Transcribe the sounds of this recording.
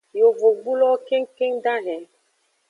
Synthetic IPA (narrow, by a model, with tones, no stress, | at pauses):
jo˨vo˨ɡ͡bu˦lɔ˦ke˦ŋke˦ŋda˦ɦɛ̃˨